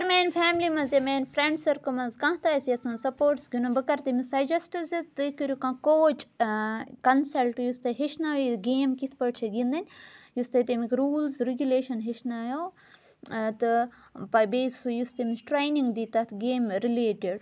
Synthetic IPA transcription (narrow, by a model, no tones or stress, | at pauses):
ɐɾmeːnʲfʰɛːmlimɐzemeːnʲfʰɾeɳɖsɐɾkomɐzkãɦt̪aːsjɐt̪ʰɐsɐpoːʈsɡinõbɨkɐɾt̪imisɐjd͡ʒɐsʈizit̪ɨkiɾʲukãːkoːt͡ʃ | kɐnsɐlʈjust̪ɐɦiʃnaʋiɡeːmkit̪ʰpɐɽt͡ʃʰɐɡĩnd̪ɐnʲjust̪ɐt̪emikɾuːlzɾiɡʲuleːʃɐnɦiʃnaːjoː | t̪ɨ | pɐbeːsujust̪ɐmisʈɾejniŋɡd̪it̪ɐt̪ʰɡeːmɾileːʈiɖ